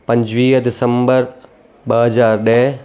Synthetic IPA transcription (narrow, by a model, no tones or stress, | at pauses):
pɐ̃ɲd͡ʑʋiːɦd̪ɪsə̃mbəɾ | ɓəɦɐzaːɾɗəɦ